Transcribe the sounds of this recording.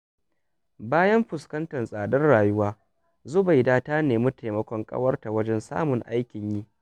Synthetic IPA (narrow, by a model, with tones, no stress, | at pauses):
baː˦jɐ˦mɸʊ˨skɐ˦ntɐ˨nsʼaː˨dɐ˦rɽaː˨jʊ˦waː˦ | zʊ˦ba˨jdaː˦taː˦neː˨mʊ˦tʰa˨mɐ˦kʷɔ˦ŋkʼɐ̰˦wɐ˦rta˨wɐ˦d͡ʒɛ˦nsa̰ː˦mʊ˨ŋʔa˦jkʲɪ˨ɲji˦